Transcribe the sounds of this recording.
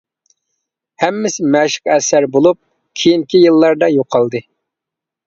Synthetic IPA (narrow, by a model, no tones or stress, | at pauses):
hɛmːɪsɪmɛʃɪ̥qɛsæɾbolˠup̚ | kʲʰijiŋkʲijɨlˠːɑɾd̪ɑjoqʰːɑlˠd̪ɨ